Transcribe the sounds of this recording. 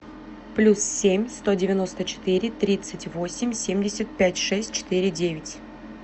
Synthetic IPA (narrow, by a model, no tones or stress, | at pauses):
plʲussʲemʲst̪o̞dʲɪvʲɪno̞st̪ət͡ɕɪ̥t̪ɨɾʲɪt̪ɾʲit̪sɨtʲvosʲɪmʲsʲemʲdʲɪsʲət̪̚pʲætʲʂɛsʲt̚ʲt͡ɕɪ̥t̪ɨɾʲɪdʲevʲɪtʲ